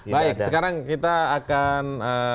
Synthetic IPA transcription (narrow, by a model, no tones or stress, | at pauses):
baɪk̚səkaɾaŋkit̪aːkanə